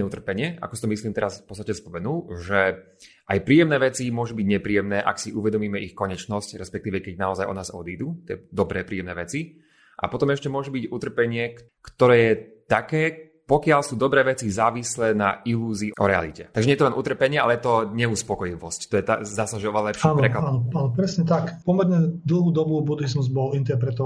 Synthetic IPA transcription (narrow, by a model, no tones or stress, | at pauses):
ɛut̪r̩pɛɲɪɛa̰kɔsit̪ɔmisliːmt̪ɛɾasfpɔtt͡st̪acɛspɔmɛnuːʒɛ | ʔajpɾiːjɛmnɛːʋɛt͡simʊɔʒubiɟɲɛpɾiːjɛmnɛːʔa̰ksiʔuʋɛd̪ɔmiːmɛixkɔɲɛt͡ʃnɔscɾɛspɛk̚t̪iːʋɛkɛɟnaɔzajʔɔ̰naːzɔd̪iːd̪ut̪ɪɛ̰ːd̪ɔbɾɛːpɾiːjɛmnɛːʋɛt͡si | ʔa̰pɔt̪ɔmɛʃcɛmʊɔʒubicut̪r̩pɛɲɪɛk | kt̪ɔɾɛːjɛt̪akɛː | pɔkɪalsuːd̪ɔbɾɛːʋɛt͡sizaːʋislɛːnailuːziːʔɔ̰ɾɛa̰lḭcɛt̪aɡʒɛɲɛjɛt̪ɔlɛnʔut̪r̩pɛɲɪɛalɛjɛt̪ɔɲɛuspɔkɔjiʋɔsct̪ɔjɛt̪a̰zd̪aːsaʒɛɔʋɛlalɛpʃanpɾɛklaanɔaːnɔpɾɛsɲɛt̪akpɔmɛɾɲɛd̪l̩ˠɦuːd̪ɔbubud̪izmuzbɔlint̪ɛɾpɾɛt̪ɔ